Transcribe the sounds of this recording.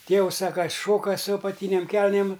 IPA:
ˈtʲeːʋʊs ˈsɐk kɐ ˈʃoːkɐ sʊ ɐpɐˈtʲiːnʲeːm ˈkʲɛlʲnʲeːm

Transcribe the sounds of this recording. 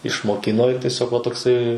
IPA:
ɪʃmoːˈkʲɪnoː ɪr tʲɛˈsʲoːk ʋɐ toːkˈsɐɪ

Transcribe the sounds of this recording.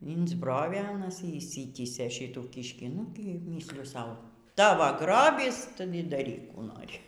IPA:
ɪnzˈbroːʋʲeː ɐˈnɐs iː ɪʃʲˈsʲɪtʲiːsʲeː ˈʃʲiːtuː ˈkʲiːʃʲkʲiː ˈnʊ ɡʲɪˈmʲiːsʲlʲɪjʊ ˈsɐʊ ˈtɑːʋoː ˈɡroːbʲiːs ˈtʊ iː dɐˈrʲiːk ˈkuː ˈnoːrʲɪ

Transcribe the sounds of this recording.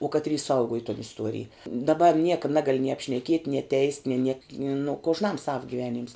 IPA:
uɔ ˈkɑːtʲrʲiː ˈsɐʊɡuɔj toːn ɪsˈtuɔrʲɪj dɐˈbɐ ˈnʲiɛkɐ ˈnɑːɡɐlʲɪ nʲiɛ ɐpʲʃʲnʲɛˈkʲiɛtʲ nʲiɛ tʲɛɪsʲtʲ nʲeː nʲiɛk nʊ koːʒˈnɐm sɐw ɡʲiːˈʋʲæːˌnʲiːms

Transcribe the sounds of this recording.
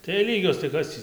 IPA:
tɐɪ jɛɪ ˈlʲiːɡʲoːs tɐɪ ˈkɐs tʲiː

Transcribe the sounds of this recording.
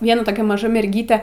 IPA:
ˈʋʲiɛnɐ toːˈkʲɛ mɐˈʒɐ mʲɛrʲˈɡʲiːtʲɛ

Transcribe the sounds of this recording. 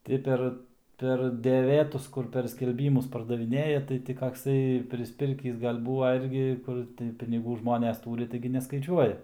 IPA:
ˈtʲɪ pʲɛr pʲɛr dʲɛˈʋʲeːtʊs ˈkʊr pʲɛr sʲkʲɛlʲˈbʲiːmʊs pɐrdɐʋʲɪˈnʲeːjɛ tɐɪ ˈtʲɪ kɐkˈsɐɪ pʲrʲɪsʲˈpʲɪrʲkʲiːs ˈɡɐlʲ ˈbuːʋɐ ˈɪrʲɡʲɪ ˈkʊr tɐɪ pʲɪnʲɪˈɡuː ˈʒmoːnʲɛs ˈtuːrʲɪ ˈtɐɪɡʲɪ nʲɛskɐɪˈt͡ʃʲuɔjɛ

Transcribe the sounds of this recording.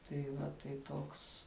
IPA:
tɐɪ ˈʋɐ tɐɪ ˈtoːks

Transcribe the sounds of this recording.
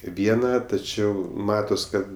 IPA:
ˈʋʲiɛnɐ tɐˈt͡ʃʲɛʊ ˈmɑːtoːs ˈkɐt

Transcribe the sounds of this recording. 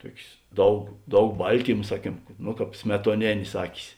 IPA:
ˈtuɔkʲeːs ˈdɐʊk ˈdɐʊk ˈbɐlʲtʲiːmɐ ˈsɑːˌkʲiɛm noː ˈkɑːp sʲmʲɛtuɔˈnʲeːnʲeːs ˈɑːkʲɪs

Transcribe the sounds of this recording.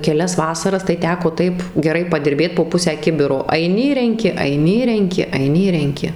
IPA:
kʲɛˈlʲɛs ˈʋɑːsɐrɐs tɐɪ ˈtʲæːkoː ˈtɐɪp ɡʲɛˈrɐɪ pɐdʲɪrʲˈbʲeːt poː ˈpʊsʲæː ˈkʲɪbʲɪroː ɐɪˈnʲɪ ɪr rʲɛŋʲˈkʲɪ ɐɪˈnʲɪ ɪr rʲɛŋʲˈkʲɪ ɐɪˈnʲɪ ɪr rʲɛŋʲˈkʲɪ

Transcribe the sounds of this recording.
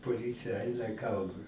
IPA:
poːˈlʲiːt͡sʲɪjɛ ˈɐɪnɐ ˈɡɐʊdoː

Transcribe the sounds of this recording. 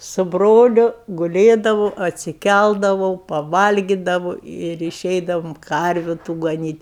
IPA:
sʊ ˈbroːlʲʊ ɡʊˈlʲeːdɐʋoː ɐtʲsʲɪˈkʲælˠdɐʋɐʊ pɐˈʋɐlʲɡʲɪdɐʋʊ ɪr ɪˈʃʲɛɪdɐʋʊm ˈkɐrʲʋʲʊ tʊ ɡɐˈnʲiːtʲ

